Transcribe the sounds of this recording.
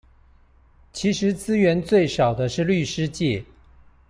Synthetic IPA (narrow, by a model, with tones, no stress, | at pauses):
t͡ɕʰi˧˥ʂɻ̩˧˥t͡sɹ̩˥ɥɛ˧˥nt͡swe˥˩ɪʂɑ˨˩ʊd̪ə˦ʂɻ̩˥˧ly˥˩ʂɻ̩˥t͡ɕjɛ˥˩˨